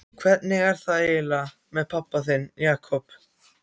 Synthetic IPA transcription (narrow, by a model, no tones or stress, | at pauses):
kʰv̥ɛt̪nɪɣɛɾ̥θaðeːla | mɛðpʰapːaθɪnjaːkʰɔp